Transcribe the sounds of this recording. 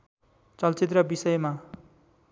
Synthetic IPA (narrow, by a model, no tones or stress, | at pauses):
t͡sʌlt͡sit̪̬rʌbisʌjma